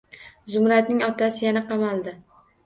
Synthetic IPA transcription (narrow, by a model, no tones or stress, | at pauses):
zʊmɾat̪̚nɪŋɒt̪ʰasɪjanaqɑmalˠd̪ɪ